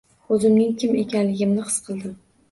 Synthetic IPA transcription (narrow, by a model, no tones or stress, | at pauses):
ɵzɪmnɪŋkʲɪme̞kʲanlɪɡʲɪmnɪqɨ̥sqʰɨlˠd̪ɪm